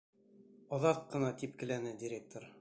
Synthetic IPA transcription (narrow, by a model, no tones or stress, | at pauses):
ɒðɑt̪̚qɤ̆nɑt̪ip̚kɘ̆lænɘdʲɪɾʲek̚t̪oɾ